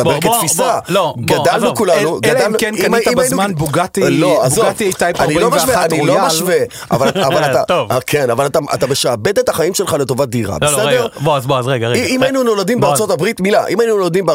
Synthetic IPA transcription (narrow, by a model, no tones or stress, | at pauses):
beketfisalobɡadalnukulanuɡadalnuenimaiminumanbuɡat̪iloazovijt̪ajanilomaʃveanilomaʃve | ʔa̰valːvalatavkʰenavalat̪aʔa̰t̪abeʃaːbe̞t̪etaχaimʃe̞lχale̞to̞vat̚d̪iʁa̰besedeʁboazboazʁeɡaʁeiimainuno̞lad̪imbeaʁst͡so̞tabʁit̪milaʔimainunolad̪imbe